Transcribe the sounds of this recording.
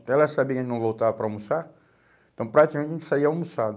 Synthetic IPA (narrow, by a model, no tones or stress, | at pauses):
t̪ɛlasabiɐkẽnɐ̃w̃vowt̪avɐpɾɐawmusaɾ̃ | t̪ɐ̃w̃pɾakt̪ikamẽt̪t͡ʃẽt͡ʃ̪ɪ̥saiɐwmusa